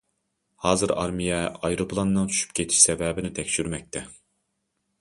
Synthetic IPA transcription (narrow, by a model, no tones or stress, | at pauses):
hɑːzɨɾɑ̰ɾmijɛɑjɾoplˠɑnːɨŋt͡ʃʰy̥ʃy̥p̚kʲet̪ʰɪ̥ʃsɛvɛːbɪnɪt̪ʰɛkʲʃyɾmɛk̚ʲt̪ʰɛ